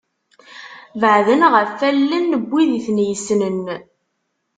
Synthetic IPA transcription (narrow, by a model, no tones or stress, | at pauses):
vəʕðənʁəfælːənːəbʷːiðiθnjəsnən